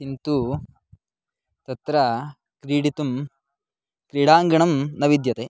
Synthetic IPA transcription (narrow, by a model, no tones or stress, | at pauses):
int̪u | t̪ɐt̪ɾɐ | kɾiːɽit̪um | kɾiːɽaːŋɡɐɳɐmnɐʋid̪jɐt̪eː